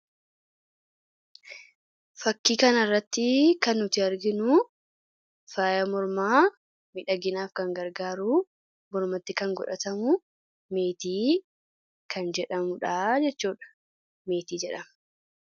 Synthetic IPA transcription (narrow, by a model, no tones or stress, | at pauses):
fɐkːiːkɐnɐrːɐt̪ːɪkɐnːʊt̪ɪɐɾɡɪnʊ | faːjɐmɔɾmaː | mɪᶑɐɡɪnaːfkɐŋɡɐɾɡaːɾuː | mɔɾmɐt̪ːɪkɐŋɡɔ̰ᶑɐt̪ɐmʊ | meːt̪iː | kʰɐnd͡ʒɛᶑɐmʊᶑaːd͡ʒɛt͡ʃːuːᶑɐ̥ | meːt̪iːd͡ʒɛᶑɐm